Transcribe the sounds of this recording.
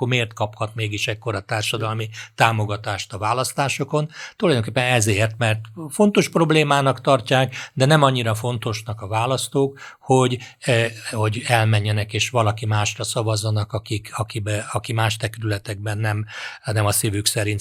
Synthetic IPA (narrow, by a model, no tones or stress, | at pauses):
ormeːrt̪kɒphɒt̪meːɡiʃɛkkːoɾɒt̪aːrʃɒd̪ɒlmit̪aːmo̞ɡɒt̪aːʃt̪ɒvaːlɒst̪aːʃoko̞nt̪ulɒjd̪oŋkeːpːɛnɛzeːrt̪mɛrt̪fo̞nt̪o̞ʃpro̞bleːmaːnɒkt̪ɒrcaːkd̪ɛnɛmɒɲːiɾɒfo̞nt̪o̞ʃnɒkɒvaːlɒst̪oːkho̞ɟ | ho̞ɟɛlmɛɲːɛnɛkeːʃʋɒlɒkimaːʃrɒsɒvɒzːɒnɒkɒkikɒkibɛɒkimaːʃt̪ɛkɾylɛt̪ɛɡ̚bɛnːɛmnɛmɒsivyksɛɾint̪